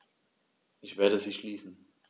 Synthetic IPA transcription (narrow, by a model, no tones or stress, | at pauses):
ʔɪçv̥eːɐdəziːʃliːsn̩